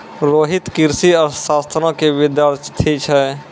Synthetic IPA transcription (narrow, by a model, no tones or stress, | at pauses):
ɾoːɦɪt̪kɪɾsiɔɾsaːst̪ʰɾɔ̃keʋɪd̪jaːɾt̪ʰit͡ʃʰɛ